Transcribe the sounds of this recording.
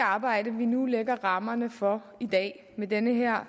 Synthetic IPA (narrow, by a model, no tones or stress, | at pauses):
ɑ̈ːb̥ɑ̈ɪ̰d̥əʋinuleɡ̥ɐʁɑ̈mɐnəfɒ̽ | id̥ɛ̰ː | med̥enəɦeɐ̰